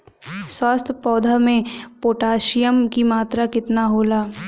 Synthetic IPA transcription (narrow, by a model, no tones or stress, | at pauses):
swaːst̪ʰpɔːd̪ʱamẽpoːʈaːʃijəmkimaːt̪ɾakɪt̪naɦoːlaː